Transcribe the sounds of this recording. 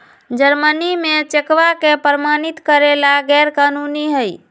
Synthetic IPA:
d͡ʒəɾmənimet͡ʃekʋakepəɾəmanit̪kəɾelaɡɛɾkanuniɦəj

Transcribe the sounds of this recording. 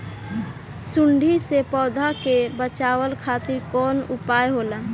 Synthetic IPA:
sʊɳɖʱisepɔːd̪ʱakebət͡ʃaːwəlkʰaːt̪ɪɾkɔːnʊpaːjɦoːla

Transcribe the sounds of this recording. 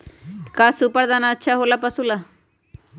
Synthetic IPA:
kasupəɾd̪aːnaətːʃʰaɦolapɐsula

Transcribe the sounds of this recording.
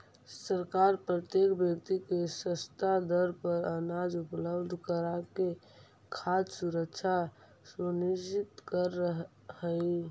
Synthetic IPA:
səɾkaɾpɾət̪jekbjək̚t̪ikesəst̪ʰad̪əɾpəɾənad͡ʒupləbd̪ʱkəɾake | kʰad̪suɾəkʃʰa | suniʃt͡ʃit̪kəɾəɦ | hə

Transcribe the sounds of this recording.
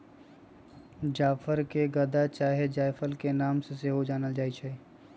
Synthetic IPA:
d͡ʒaːfʰəɾkeɡɐd̪at͡ʃaːɦed͡ʒaːfʰəlkenaːmseseɦod͡ʒaːnəld͡ʒaːit͡ʃʰɛ

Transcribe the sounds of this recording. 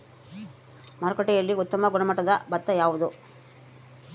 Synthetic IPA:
mɐɾɐkɔʈːɛjɐlːiut̪ːɐmɐɡuɽɐmɐʈːɐd̪ɐbɐt̪ːɐjaːʋud̪u

